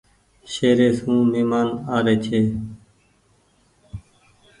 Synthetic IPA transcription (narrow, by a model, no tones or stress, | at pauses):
ʃeːɾeːsũːmiːmaːnaːɾeːt͡ʃʰeː